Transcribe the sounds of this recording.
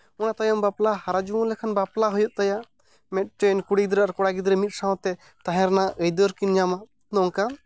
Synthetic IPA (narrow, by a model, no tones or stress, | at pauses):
ɔnat̪ajɔmbaplahaɾad͡ʒuɔ̃lɛkʰanbaplaɦɔjɔt̪̚ˀt̪ajaʔ | mɛt̪̚ʈenkuɽid̪ɾaaɾkɔɽaɡid̪ɾɛmit̪̚ˀsãw̃t̪ɛ | t̪aɦɛ̃ɾnaʔəjd̪ɔɾkind͡ʒama | nɔŋka